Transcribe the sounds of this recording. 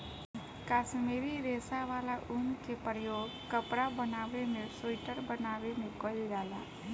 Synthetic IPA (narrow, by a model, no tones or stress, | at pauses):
kaːsmeɾiɾeːsaʋaːlaʔʊnkepɾəjoːɡ | kəpɾabənaːʋemẽsoɪʈəɾbənaːʋemẽkɔld͡ʒaːla